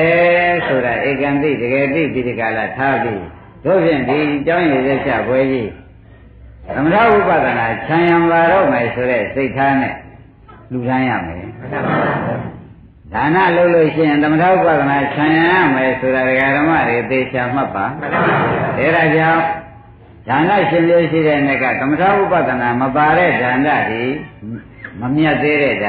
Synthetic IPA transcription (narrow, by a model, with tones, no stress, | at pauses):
ɛsʰo˨ɾa˨ʔe˨kã˨nt̪ḭ˦˨dəɡɛ˨t̪ḭ˦˨pji˦dəka˨la̰˦˨tʰa˦pji˦ | d̪̥o˦˨pʰjɪ̰̃˦˨nd̪i˨t͡ɕã˦ʊ̃je˨zɛ˦t͡ɕʰa̰˦˨bwɛ˦d͡ʑi˦ | t̪ə˨məɾʰa̰˦˨ʔu˦˨pä˦˨d̪ə˨na˨t͡ɕʰã˨jã˨mla˨ɾɔ̰˦˨mɛ˨so˨ɾɛ˦˨se˦ɪtʰːa˦nɛ̰̃˦˨ | l̥u˨ɾã˦ja̰˦˨mɛ̰˨ | dã˨na̰˦˨ʔəlo˦ʊʔlo˦˨ʃɪ̰˦˨ɪ̃˨nt̪ə˨mətʰa̰˦˨wu˦pa̰˦˨d̪əna˨t͡ɕʰã˨jã˨ja˦˨mɛ˨so˨ɾa˨dəɡa˨ɾəma̰˦˨de˨ʔət̪e˨t͡ɕʰa˨m̥a˦pːa˨ | ʔɛ˦˨ɾa˨d͡ʑã˦˨ʊ̃ | z̥ã˨na˦˨ʃɪ̃˦mjo˦ʃ̬ḭ˦˨ɾɛ˦ʔnɛ˦ʔkːa̰˦˨t̪ə˨mətʰa˦˨wu˦˨pa̰˦˨d̪əna˨məpa˨ɾɛ˦˨dã˨nda̰˦˨d̪i˨ | məmja˦t̪ːe˦ɾɛ˦˨da˨